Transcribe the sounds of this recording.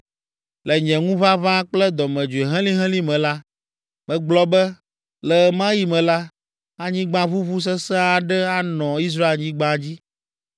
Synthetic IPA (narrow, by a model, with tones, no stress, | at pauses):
lɛ˨ɲɛ̃˨ŋũ˦va˦vã˦k͡plɛ˦d̪ɔ˨mɛ̃˨d͡ʒu˨e˨ɦɛ̃˦lĩ˦ɦɛ̃˦lĩ˦mɛ̃˨la˦ | mɛ̃˨ɡ͡blɔ˦bɛ˦ | lɛ˨˦mã˦ji˨mɛ̃˨la˦ | a˦ɲĩ˦ɡ͡bã˦vu˦vu˦s̬ɛ˦sɛ̃˦a˦˨ɖɛ˦a˦nɔ̃˨i˦s̬ɾa˦e˨lɲĩ˦ɡ͡bã˦d͡ʑi˦